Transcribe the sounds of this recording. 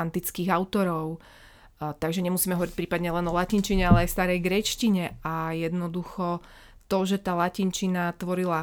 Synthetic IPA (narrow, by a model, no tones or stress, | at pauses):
nt̪it͡skiːɣaʊt̪ɔɾɔʊ | t̪aɡʒɛɲɛmusiːmɛɦɔʋɔɾic̚ʲpɾiːpad̪ɲɛlɛnɔlacint͡ʃiɲɛalɛajst̪aːɾɛjɡɾɛt͡ʃciɲɛajɛd̪nɔd̪uxɔ | t̪ɔʒɛt̪aːlacint͡ʃinat̪ʋɔɾila